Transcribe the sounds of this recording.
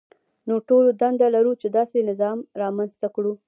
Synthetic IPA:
noʈolod̪and̪alaɾut͡ʃed̪ɑsenɪzɑmɾɑmanzt̪akɽu

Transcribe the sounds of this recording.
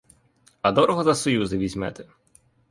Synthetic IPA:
ɐd̪ɔɾɔɦɔzɐsɔjuzɪʋʲizʲmɛ̰t̪ɛ̥

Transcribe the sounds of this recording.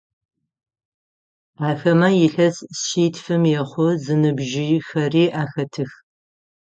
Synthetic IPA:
aːxɐmɐjɪɬɐsʃiːtfɨmjɛχʷʊzɨnɨbʒɪxɐriːʔaːxɐtʰɨx

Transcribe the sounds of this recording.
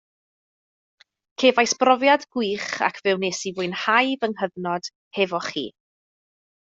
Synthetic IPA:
kʰeːvajsb̥rɔvjadɡwiːχa̰kʰvɛwneːsivʊɨnhajvəŋɦəðnɔd̥ | hɛvɔχḭː

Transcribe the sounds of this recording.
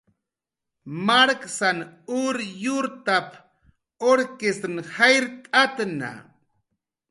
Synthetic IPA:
maɾksanʊɾjʊɾt̪ap | oɾkest̪ɾnhajɾt̪ʼat̪na̰

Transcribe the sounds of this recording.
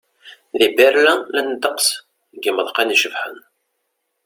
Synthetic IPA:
ðibæɾlælænəd̪əqs | ɡiməðˤqɑniʃəvħə̰n

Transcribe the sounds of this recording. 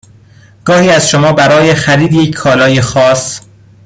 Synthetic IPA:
ɡ̥ɒːhiːæzʃomɒːbæɾɒːjexæɾiːd̪jecʰkʰːɒːlɒːjexɒːs

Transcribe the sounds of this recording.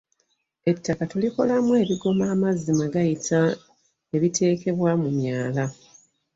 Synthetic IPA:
e̞tːakatuliko̞lamwe̞ːβiɡo̞maːmazimaɡajitʰa | e̞βitʰe̞ːke̞βwamumjaːla

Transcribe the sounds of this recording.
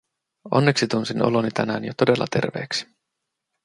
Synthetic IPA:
o̞̰nːe̞ksit̪unsino̰lonit̪ʰænæːnjot̪ode̞lːɑ̰t̪e̞rʋe̞̰ːksi̥

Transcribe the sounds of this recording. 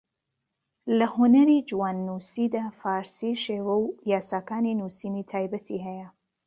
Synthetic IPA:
lɐhunɐɾid͡ʒuwaːnːusid̪aːfaːɾsiʃeːwɐwjaːsaːkaːninuːsiniːt̪ʰaːjbɐt̪ʰiɦɛjɐ

